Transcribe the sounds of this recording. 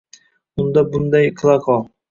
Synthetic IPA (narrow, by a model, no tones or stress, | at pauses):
ʊnd̪abʊnd̪ajkʰlˠaqʰɑ